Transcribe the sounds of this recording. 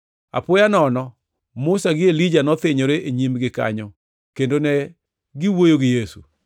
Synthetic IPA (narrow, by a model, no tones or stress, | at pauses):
a̰pʊjanɔnɔ | mʊsaɡɪelid͡ʒanɔt̪ɪɲoɾeʔeɲimɡɪka̰ɲo | kendonɛ | ɡɪwojoɡɪjesṵ